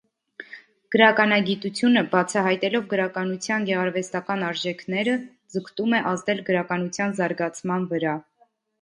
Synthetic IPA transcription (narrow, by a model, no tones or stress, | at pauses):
ɡ̥əɾɑkɑnɑɡit̪ut͡sʰjunəbɑt͡sʰɑɦɑjt̪ɛlɔvɡəɾɑkɑnut͡sʰjɑnɡɛʁɑɾvɛst̪ɑkɑnɑɾʒɛkʰnɛɾə | d͡zəkʰt̪umɛʔɑzd̪ɛlɡəɾɑkɑnut͡sʰjɑnzɑɾɡɑt͡sʰmɑnvəɾɑ